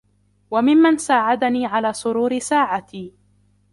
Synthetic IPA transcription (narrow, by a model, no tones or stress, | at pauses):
wamɪmːansaːʕad̪aniːʕalaːsˤʊɾuːɾɪsaːʕat̪iː